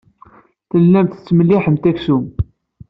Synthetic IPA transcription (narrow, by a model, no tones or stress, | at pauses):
θəlːæmt̪t͡sːməlːiħəmt̪æksum